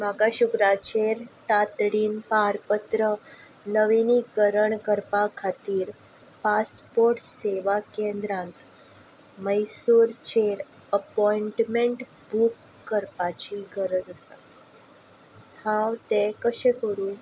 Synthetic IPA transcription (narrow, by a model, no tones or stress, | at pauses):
maɡaɕukɾat͡ɕeɾt̪at̪ɽiːnpaɾpət̪ɾə | nəʋiniɡəɾəɳkəɾpakʰat̪iːɾ | paspoɾʈseʋakẽnd̪ɾãnt̪ | məjsuːɾt͡ɕeɾ | əpɔiɳʈmeɳʈ | bʱukː | əɾpat͡ɕiɡəɾəd͡zəsa̰ | hãwt̪ekəɕẽkəɾũː